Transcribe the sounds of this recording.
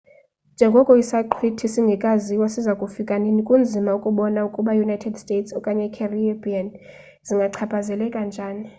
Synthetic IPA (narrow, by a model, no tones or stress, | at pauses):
nd͡ʒʱɛŋɡʱɔkʼɔisaǃʰitʰisiŋɡʱɛkʼaziwasizakʼufikʼanenikʼund͡zʱimaukʼuɓɔnaukʼuɓajunajtʰɛdstʼetʰsɔkʼaɲɛkʰɛribian | ziŋɡʱaǀʰapʰʼazɛlɛkʼand͡ʒʱaːni